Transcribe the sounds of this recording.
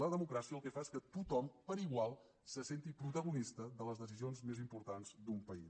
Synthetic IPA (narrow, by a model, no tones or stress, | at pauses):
əðəmukɾasiəlˠkɛfaeskət̪ut̪ɔmpəɾiɣwalˠ | səsent̪ipɾut̪əɣ̞unist̪əðələzðəs̬izionzmezimpuɾt̪anzd̪umpəi